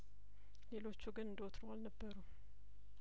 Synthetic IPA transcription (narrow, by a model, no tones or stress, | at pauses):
le̞lo̞t͡ʃːuɡɨnɨnd̪əwot̪ʰɾoalnəbːəɾu